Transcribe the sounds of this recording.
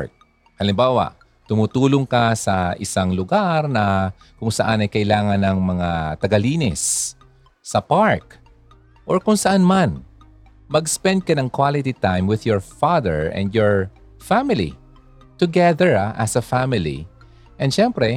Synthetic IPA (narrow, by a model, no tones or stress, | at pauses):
k̚ | hɐlɪmbaːwɐ̰ʔ | t̪ʊmut̪uːloŋkɐsɐʔɪsaŋlʊɡaɾnɐ | kʊŋsɐʔanɐjkɐʔɪlaːŋɐnɐŋmɐŋat̪ɐɡɐliːnɪsː | ɐpaɹk | ʔoɹkʊŋsɐʔanman | mɐɡspɛ̃nd̪̚kɐnɐŋkwalɪt̪it̪ajmwɪðjɔɹfaðɛɹɛ̰̃nd̪jɔɹ | famɪlḭ | t̪ʊɡɛðɛɹaʔɐsɐfamɪlḭ | ʔɛ̃nd̪ʃɛmpɾɛ